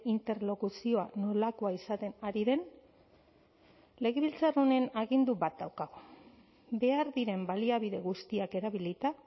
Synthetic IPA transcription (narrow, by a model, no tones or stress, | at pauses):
int̪e̞ɾlo̞kusio̞ano̞lako̞aisat̪e̞naɾiðe̞n | le̞ɣe̞βilt͡sarone̞naɣind̪uβat̪̚d̪awkaɣo | be̞aɾðiɾe̞mbaliaβ̞iðe̞ɣust̪iake̞ɾaβilit̪a